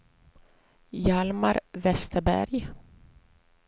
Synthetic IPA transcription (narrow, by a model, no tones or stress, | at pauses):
jalmaɾvɛst̪əbæ̰ɾj